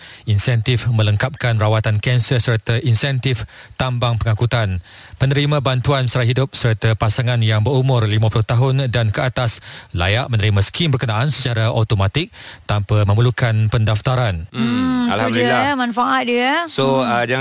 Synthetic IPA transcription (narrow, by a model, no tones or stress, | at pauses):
insɛnt̪ɪfmə̃ləŋkap̚kanrawat̪ankɛnsəsərt̪aʔinsɛnt̪ɪft̪ambaŋpəŋakut̪an | pənəɾimãbant̪uansaɾaɦidʊp̚sərt̪apasaŋanjaŋbəɾumʊ̃rlimãpulʊht̪aɦʊndankəat̪asla̰jaʔmə̃nəɾimãsə̥kʰimbərkənãʔansə̥t͡ʃaɾaʔot̪omat̪ɪk̚t̪ampamə̃məlukanpəndaft̪aɾan̩ | aladmãnfaʔat̪̚diəsod͡ʒa